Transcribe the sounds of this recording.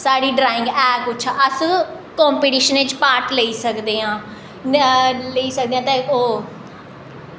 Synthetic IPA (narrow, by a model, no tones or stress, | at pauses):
saːɽiːɖɾaːɪ̃ŋɡɛːkʊtːʃʰaːʔəs | kɔ̃ːmpiːʈiːʃənet͡ʃpaːɾʈləiːsəkd̪eːãː | ləiːsək̚d̪eːãːt̪ẽːoː